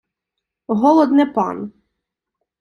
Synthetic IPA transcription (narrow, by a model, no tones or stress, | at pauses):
ɦɔlˠɔd̪nɛpɑ̰n